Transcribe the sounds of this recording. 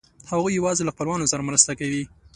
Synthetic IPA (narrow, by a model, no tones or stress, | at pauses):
haɣujːawɑzelaxpəlwɑnosaɾamɾəst̪akawi